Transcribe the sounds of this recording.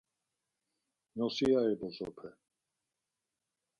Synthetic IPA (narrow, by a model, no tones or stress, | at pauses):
nɔsiaɛbɔzɔpʰɛ